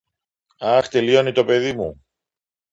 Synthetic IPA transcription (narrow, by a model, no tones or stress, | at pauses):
ɐxt̪e̞lio̞nit̪o̞pe̞ðimu